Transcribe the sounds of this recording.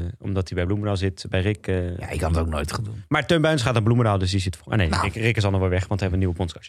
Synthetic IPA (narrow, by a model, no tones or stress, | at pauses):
ɔ̰mdɑtdibɛjblumədalˠzɪtbɛjrɪkja̰ɪkɑnətoknojtχandunmaːɹtønbœnsχaːtanblumədalˠdɵsdizɪtfa̰nejrɪkrɪkɪs̬ɑlˠmɔʋɛlˠʋɛχʋɑntʋɛɛbəniwəpɔnskɑt